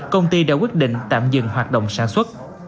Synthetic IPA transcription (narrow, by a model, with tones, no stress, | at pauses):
kə˧wŋ͡mt̪i˧ɗa̰ː˧˥kwi˦˥t̚ɗḭ˧˨ŋ̟t̪a̰ː˧˨mzɨ̰˧˨ŋɦwaː˨˩t̚ɗə̰˧˨wŋ͡msaː˧˩nswə˦˥t̚